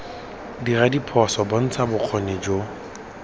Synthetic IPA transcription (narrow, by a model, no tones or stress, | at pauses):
diradipʰɔsɔbɔn̩t͡sʰabʊq͡χʰɔned͡ʒo